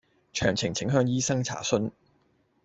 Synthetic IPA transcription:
t͡ʃʰœ̰ː˨˩ŋt͡sʰɪ˨˩ŋt͡sʰɪ˨˥ŋɦœː˧ŋjiː˥sɐ˥ŋt͡sʰa̰ː˨˩sɵ˥n

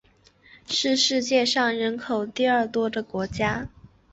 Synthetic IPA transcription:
ʂɻ̩˥˧ʂɻ̩˥˧t͡ɕjɛ˥˧ʂɑ˥˩ŋɻə˧˥nkʰo˨˩ʊt̪i˥˧ə˞˥˩t̪wɔ˥d̪ə˨kwɔ˧˥t͡ɕja˥

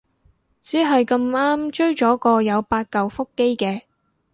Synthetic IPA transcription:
t͡siː˨˥ɦɐ˨jkɐ˧maː˥mt͡ʃɵ˥ɥt͡ʃɔː˨˥kɔː˧jɐ˨˧wpaː˧t̚kɐ˨wfʊ˥kːe˥jkɛː˧

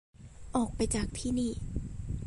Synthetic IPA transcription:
ʔɔː˨˩k̚pa˧jt͡ɕaː˨˩k̚t̪ʰiː˥˩niː˥˩

